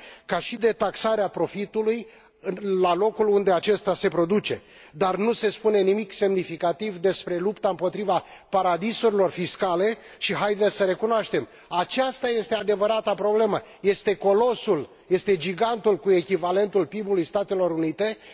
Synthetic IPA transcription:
kaʃid̪e̞t̪aksaɾeapɾo̞fit̪uluj | ɨlalo̞kulund̪e̞at͡ʃe̞st̪ase̞pɾo̞d̪ut͡ʃe̞̰ | d̪arnuse̞spune̞nimikse̞mnifikat̪ivd̪e̞spɾe̞lupt̪aɨmpo̞t̪ɾivapaɾad̪isuɾilo̞rfiskale̞ | ʃiɦajd̪esəɾe̞kunoaʃt̪e̞m | at͡ʃast̪aje̞st̪ead̪e̞vəɾat̪apɾo̞ble̞mə | je̞st̪e̞ko̞lo̞sul | je̞st̪e̞d͡ʒiɡant̪ulkue̞kʲivale̞nt̪ulpibulujst̪at̪e̞lo̞ɾunit̪e̞

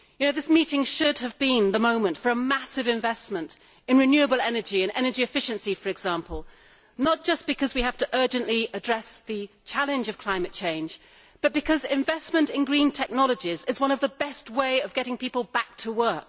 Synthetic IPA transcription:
jɨnoʊðɪsmiɾɪ̃ŋʃʊd̚ɨvbɪ̃nðəmõʊ̃mɨ̃ntfə˞əmæsɨvɨ̃ɱvɛsmə̃nt | ɨ̃nɹɨnjʉɨbl̩ˠɛnə˞d͡ʒiɨ̃nɛ̰nə˞d͡ʒiɨfɪʃɨ̃nsifə˞ɨɡz̥æ̃mpəlˠ | nət̚d̥ʒ̥ʌsb̥ɨkʰʌzwihæftɨʔɜ˞d͡ʒɨ̃nʔliʔɨdɹɛsðɨ | t͡ʃʰælˠɨ̃nd͡ʒʌv̥kʰl̥ãɪ̃mɨt̚t͡ʃʰẽɪ̃nd͡ʒ | b̥ʌt̚b̥ɨkʰʌzɪ̃ɱvɛsmɨ̃ntɨ̃nɡɹĩntʰɛk̚nɑlˠəd͡ʒizɨzwʌ̃nʌvðəbɛst̚weɪʌvɡɛɾɪ̃ŋpipl̩ˠbæk̚tʰəwɜ˞k̚

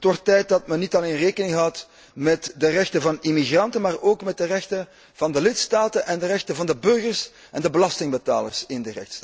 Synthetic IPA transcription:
ətʋɔrtːɛjt̚dɑtmɛnːitɑleːnreːkənɪŋɣəɦɑt | mɛtdərɛxtəvɑnimiɣrɑntənmaːroːkmɛt̚dərɛxtən | v̥ɑndəlɪtstaːtəʔɛndəɾɛxtəvɑndəbɵrɣərs | ʔɛndəbəlɑstɪŋbəta̰ːlə̰rsɪndərɛ̰xts

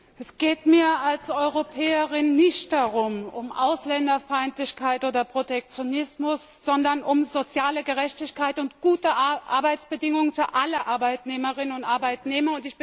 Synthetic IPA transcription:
ʔɛsɡ̥eːtmiːɐalsɔʏʁopʰɛːəʁɪnːɪçtd̥aʁʊmʊmʔa̰ʊslɛndɐfaɪntlɪçkʰaɪtʔoːdɐpʁ̥otɛk̚t͡sjonɪsmʊsz̥ɔndɐnʔʊmzot͡sjaːləɡəʁɛçtɪçkaɪtʊntɡ̥uːtəʔa̰ɐbaɪt͡sb̥ədɪŋʊŋənfyːɐʔaləʔaɐbaɪtneːməʁɪnənʊntʔaɐbaɪtneːmɐʊntɪç̥

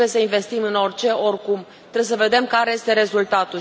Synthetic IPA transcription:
jesəinve̞st̪imɨno̞rʲt͡ʃe̞o̞rkum | t̪ɾejesəve̞d̪e̞mkaɾe̞je̞st̪e̞ɾe̞zult̪at̪u

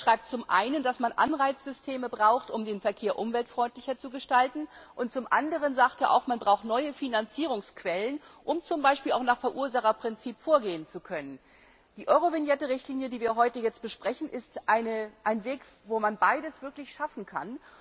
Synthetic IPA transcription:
ʃʁ̥aɪp̚tt͡sʊmʔa̰ɪnəndasmanʔa̰nʁaɪt͡sz̥ʏstʰeːməbʁaʊxtʔʊmdeːnfɛɐkʰeːɐʔʊmvɛltfʁ̥ɔʏntlɪçɐt͡suɡəʃtaltn̩ʔʊntt͡sʊmʔandəʁ̞ənzaːktaɐʔa̰ʊxmanbʁaʊxtnɔʏəfinant͡siːʁʊŋskv̥ɛlənʔʊmt͡sʊmbaɪʃpiːlaʊxnaːχfɛɐʔuːɐzaχɐpʁ̥ɪnt͡siːpfoːɐɡeːənt͡sukʰœnən | d̥iːʔɔʏʁovɪnjɛtəʁɪçtliːnjədiːviːɐɦɔʏtəjɛt͡st̚b̥əʃpʁ̥ɛçn̩ʔɪstʔaɪnəʔaɪnveːkvoːmanbaɪdəsv̥ɪɐklɪçʃafn̩kʰan

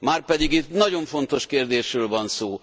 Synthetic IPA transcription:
maːrpɛd̪iɡit̪nɒɟo̞ɱfo̞nt̪o̞ʃkeːrd̪eːʃrøːlvɒnsoː

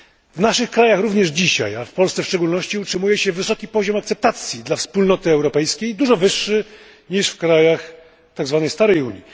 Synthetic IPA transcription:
vnaʂɘxkɾajaxɾuvɲɛʐd͡ʑiɕa̰jafpɔlssɛfʂt͡ʂɛɡulnɔɕt͡ɕiutʂɘmujɛɕɛvɘsɔkʲipɔʑɔmak̚t̪sɛp̚t̪at̪sʲjid̪lafspulnɔt̪ɘɛwɾɔpɛjskʲejd̪uʐɔvɘʂːɘ | ɲiʂfkɾajax | t̪aɡzvanɛjst̪aɾɛjṵɲi

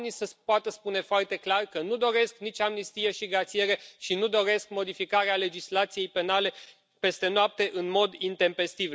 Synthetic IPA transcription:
nisəpoat̪əspune̞foart̪e̞klarkənud̪o̞ɾe̞sknit͡ʃamnist̪ijeʃiɡɾat̪sije̞ɾe̞ʃinud̪o̞ɾe̞skmo̞d̪ifikaɾeale̞d͡ʒislat̪sije̞jpe̞nale̞ | pe̞st̪e̞noap̚t̪e̞ʔɨnmo̞d̪int̪e̞mpe̞st̪iv

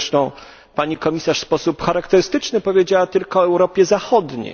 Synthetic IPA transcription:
ʂt̪ɔ̃w̃ | paɲikɔmʲisaʂspɔsupxaɾakt̪ɛɾɘst̪ɘt͡ʂnɘpɔvʲjed͡ʑawat̪ɘlkɔːɛwɾɔpʲjɛzaxɔd̪ɲḛj

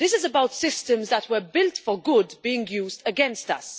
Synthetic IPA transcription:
ðɪsɨzəbaʊtsɪstə̃mzðət̚ʰwə˞bɪlˠtfəɡʊdbiːɪ̃ŋjuːzdəɡɛ̃nstʌ̰s

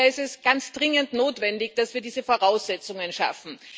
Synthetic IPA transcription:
ɪstɛsɡ̥ant͡sd̥ʁɪŋəntnoːtv̥ɛndɪçd̥asv̥iːɐdiːzəfoːɐʁaʊsz̥ɛt͡sʊŋənʃa̰fn̩

